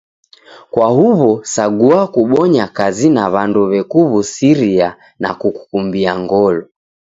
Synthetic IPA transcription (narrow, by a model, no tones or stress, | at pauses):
kwahuβɔsaɡuakuɓɔɲakazinaβandɔβɛkuβusiɾia | na̰kuku̥kumbiaŋɡɔlɔ